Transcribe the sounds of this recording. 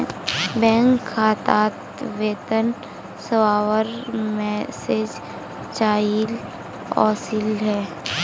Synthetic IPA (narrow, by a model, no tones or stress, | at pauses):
bɛ̃ːŋkʰːaːt̪aːt̪ | ʋeːt̪ən | səwaːwəɾmɛseːd͡ʒ | t͡ʃaːil | ɔ̰ːsilɦɛː